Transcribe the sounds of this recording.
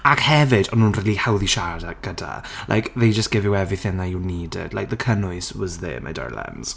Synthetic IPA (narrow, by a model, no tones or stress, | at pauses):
akhɛvɪdɔnuːnriːlˠihawðiʃaɾdaɡ̥əda̰lʔa̰jkʰðejd͡ʒəstɡ̥ɪvɪwɛviθɪnðajuniːdɪ̰d̥lajk̚ðəkʰənʊɨswɔzðḛma̰jda̰ɹlɛ̰nz̥